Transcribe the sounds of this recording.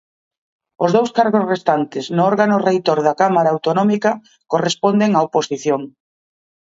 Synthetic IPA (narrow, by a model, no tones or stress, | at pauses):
ʊzðowskaɾɣozrest̪ant̪ɪznʊɔɾɣanʊrejt̪oɾðakamaɾaːwt̪onɔmikɐ | korespond̪eŋaoposiθjoŋ